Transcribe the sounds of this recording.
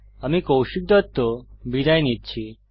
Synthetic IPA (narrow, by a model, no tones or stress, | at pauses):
əmikowʃik̚d̪ʱət̪ːobʱid̪ajnid̪̚t͡ɕʰi